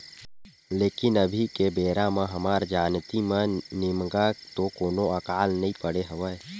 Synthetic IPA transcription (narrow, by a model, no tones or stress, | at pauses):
leːkɪnəbʱikebeːɾamãɦɐmaːɾd͡ʒaːnt̪imẽnɪmɡat̪okoːnoɐkaːlnəɦĩpəɽeɦəʋə